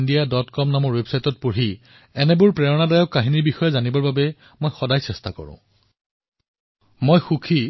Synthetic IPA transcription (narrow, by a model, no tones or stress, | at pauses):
ndijadɔtkɔmnamɔɹwebsajtɔt̚poɹɦi | ɛnɛbʊɹpɹɛɔnadajɔkːaɦiniɹbixɔjɔzanibɔɹbabɛ | mojxɔdajsɛstakɔ̰ɹʊ̰̃ | mojxukʰi